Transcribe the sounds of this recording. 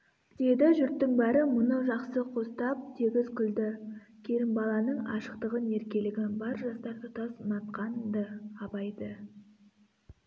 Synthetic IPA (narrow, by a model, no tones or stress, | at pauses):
d̪̥e̞d̪ɪʒʏɾt̪ːɪŋbæɾəmʊnəʒɑqsəqʰo̞st̪ɑp̚t̪ʰeɡʲɪzqʰʏld̪ɪ | kʲʰe̞ɾɪmbɑlˠɑnəɴɑ̰ʃə̥qt̪əʁəne̞ɾkʲe̞lɪɡʲɪbɑɾʒɑst̪ɑɾt̪ʊt̪ɑsnɑt̪̚qɑnd̪əɑbɑjd̪ə